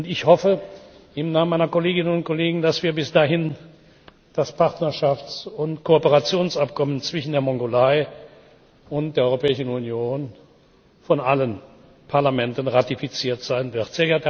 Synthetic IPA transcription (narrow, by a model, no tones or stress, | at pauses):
ʊntɪçhɔfəɪmnaːmənmaɪnɐkoleːɡɪnənʊnt̚koleːɡŋ̩dasv̥iːɐbɪsd̥aːɦɪn | d̥aspʰaʁtnɐʃaft͡sʊntkʰoopəʁat͡sjoːnsap̚kʰɔmənt͡sv̥ɪʃn̩deːɐmɔŋɡolaɪ | ʊnt̚d̥eːɐɔʏʁopɛːɪʃn̩unjoːn | fɔnʔalən | pʰaɐlamɛntənʁatifit͡siːɐtz̥aɪnvɪɐtz̥eːɡɛɐt